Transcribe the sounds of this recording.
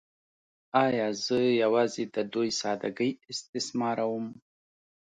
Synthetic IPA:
ɑjɑzəjawɑzed̪əd̪ojsɑd̪a̰ɡəjɪst̪ɪsmɑɾawʊm

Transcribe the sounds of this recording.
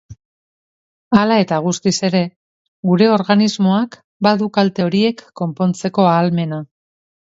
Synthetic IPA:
alae̞t̪aɣ̞ust̪ise̞ɾe̞ | ɡuɾe̞o̞ɾɣanizmo̞ak | baðukalt̪e̞oɾie̞kːo̞mpo̞nt͡se̞ko̞aːlme̞na

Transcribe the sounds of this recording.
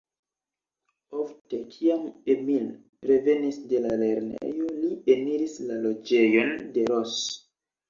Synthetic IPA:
ofte̞kʰiamemil | pɾe̞ve̞nisde̞lale̞ɾnḛjo̞liemiɾislalo̞d͡ʒe̞jo̞nde̞ɾos

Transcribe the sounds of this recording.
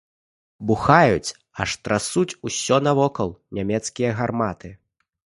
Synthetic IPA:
buxajut͡sʲ | ɐʂt̪ɾasut͡sʲusʲɔnɐvɔkɐlˠnʲamʲɛt̪skʲijɐɣarmat̪ɨ

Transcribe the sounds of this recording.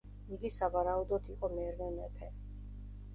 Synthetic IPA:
iɡisavaɾaud̪ɔt̪ʰiqʼɔmɛɾvɛmɛpʰɛ

